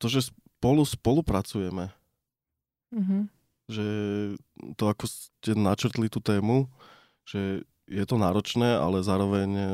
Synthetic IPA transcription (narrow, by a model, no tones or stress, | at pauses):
t̪ɔʒɛs | pɔluspɔlupɾat͡sujɛmɛ | ɦ̩ | ʒɛ | t̪ɔakɔscɛnat͡ʃr̩t̪lit̪uːt̪ɛːmu | ʒ̥ɛ | jɛt̪ɔnaːɾɔt͡ʃnɛːa̰lɛzaːɾɔʋɛɲ